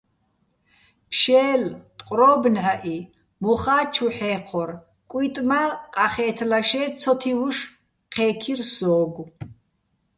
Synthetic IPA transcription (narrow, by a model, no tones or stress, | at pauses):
pʰʃɛːlt̪ʼqʼɾɔːbnʕaʔi | mɔχaːt͡ʃʰuħɛːqʰɔɾ | kʼit̪ʼmaqʼaχɛːt̪ʰlaʃɛːt͡sʰɔt̪ʰivuʃ | qʰɛːkʰirsɔːɡu